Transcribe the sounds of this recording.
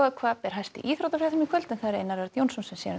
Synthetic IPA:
akʰvaːpɛɾ̥ɦajst̪ɪ̰ʔiːθɾowt̪afɾɛθʏmikʰvœlt̪ʏnθaɾɪenaɾvɛɾt̪jownsɔnsɛmsɛ̰n

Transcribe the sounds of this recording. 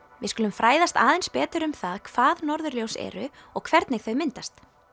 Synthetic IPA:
vɪðskʏːlʏmfɾaːjðast̪aːðɛnspɛːt̪ʏɾʏmθaðkʰv̥aːðnɔɾðʏɾljowsɛ̰ɾʏɔɣkʰvɛɾt̪nɪɣθœɥmɪnt̪ast̪

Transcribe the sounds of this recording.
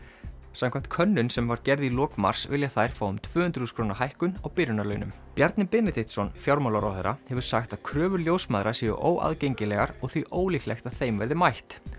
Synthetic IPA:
samkʰɛm̥t̪̚kʰœnːʏnsɛmvaɾcɛɾðilɔːkma̰r̥svɪljaθajɾ̥faːwʏmt̪ʰvʏːhʏnt̪ɾʏ̥huskʰɾoːnahajhkʏnawpɪɾʏnalœːɥnʏ̰m | pjaɾt̪nɪpɪnɪt̪iht̪sɔnfjawɾmawlaɾawθeɾahɛvʏɾ̥saxt̪aðkʰɾœːvʏɾljowsmaðɾasiːjʏ̰ʔo̰ːwʔa̰ðcejɲcɪlɛɣaɾɔɣθiʔoːwliklɛxt̪aðθejmvɛ̰ɾðɪmajht̪

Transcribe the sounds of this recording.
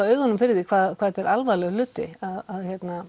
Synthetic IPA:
wœːɥɣanʏmfɪɾðɪkʰvaːðkʰvaːðɛt̪ɛɾʔalvaːlɛɣlʏːt̪ɪaðaðçjɛt̪na

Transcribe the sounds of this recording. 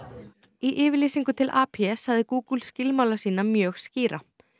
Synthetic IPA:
iʔɪːvɪɾliːsiŋkʏt̪ʰɪlʔaːpʰjɛsaɣðɪkuːkulscɪlmaːwlasiːnamjœːɣsciːɾa

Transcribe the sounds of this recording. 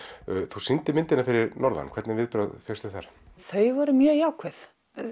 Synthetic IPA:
θusɪnt̪ɪmɪnt̪ɪnafɪɾɪɾnɔɾla̰nkʰvɛɾt̪nɪvɪðpɾœðfʰɛst̪ʏθa̰ɾ̥ | θœɥvɔɾɪmjœːjawkʰvɛθ

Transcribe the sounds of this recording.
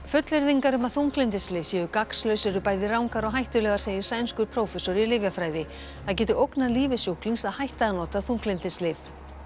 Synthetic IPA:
fʏt̪lɪɾðiŋkaɾʏmaðθuŋklɪnt̪ɪslɪv̥sɛːjʏkakslœɥsɛɾʏpaːjðɪraːwŋkaɾɔɣɦajht̪ʏlɛɣaɾseːjɪɾ̥sajnskʏɾ̥pʰɾowfɛsɔɾɪlɪːvjafɾaːjðɪ | θaðc̬ɛːt̪ʏʔowknaliːvɪsjowhkliŋsaðhajht̪aðanɔːt̪aðθuŋklɪnt̪ɪslɪf

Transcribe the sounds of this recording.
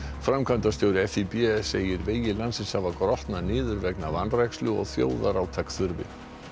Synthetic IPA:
fɾamkʰant̪ast̪jowɾɪɛfipiseːjɪɾveːjɪlansɪnshavakɾɔht̪nanɪːðʏɾvɛknavanrajkslʏɔ̰ɣθjo̰ːwðaɾaːwt̪ʰakθʏɾvɪ̰

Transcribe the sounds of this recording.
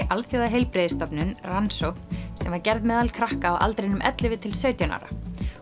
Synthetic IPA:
ʔalfjoðaɦejlpɾɪːðɪst̪ɔpnʏnransosɛmvaɾcɛɾðmɛːðalkʰɾahkaawʔa̰lt̪ɾeɪnʏmʔɛ̰t̪lɪvɪt̪ʰɪlsœːɥt̪jana̰ɾa̰

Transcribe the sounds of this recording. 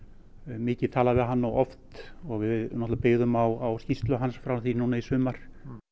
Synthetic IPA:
mɪːcɪt̪ʰaːlavɛðɦanːawʔɔft̪ɔɣvɪvɪðnɔht̪lapɪɣðʏmawawscist̪lʏɦansfɾawθinuːnaisʏːmaɾ̥

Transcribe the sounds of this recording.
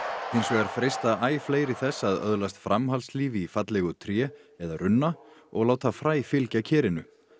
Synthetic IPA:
ejnsɔɣɛɾ̥fɾejst̪aaːjfleːjɾɪθɛsːaðœ̰ðlast̪fɾʔamɦalsliːvifat̪lɛɣʏt̪ʰɾjɛːɛðaɾʏnːaɔɣlaːwt̪ʰafɾaːjfɪlcacʰɛːɾɪnʏ

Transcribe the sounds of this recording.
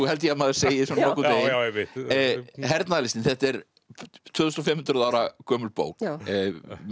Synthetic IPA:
uhɛlt̪jɛmaːðʏɾ̥seːjɪsɔnɔkːʏeːjɛmɪ | ɦɛɾt̪naðlɪst̪ɪnθɛht̪ɛɾ | t̪ʰʏːðθɔst̪ɔfɪmhʏnt̪ɾʏðaːwɾakʰœːmʏlpo̰ːwk

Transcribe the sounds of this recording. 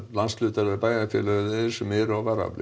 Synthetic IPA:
lanslʏːt̪aɾvɛpaːjɣafjɛ̰lœɣðɛsɛmɛɾɔvaɾa̰plɪ̰

